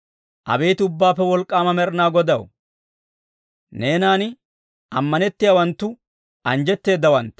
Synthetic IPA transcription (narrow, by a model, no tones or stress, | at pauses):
ʔɐ̰be̞ːt̪ɪʊbːaːpːɛwɔlkʼːaːmɐmɛɾnaːɡɔd̪ɐw | ne̞ːnaːn | ʔɐmːɐnɛt̪ːɪjawɐnt̪ːʊ | ɐnd͡ʒɛt̪ːe̞ːd̪ːɐwɐnt̪ː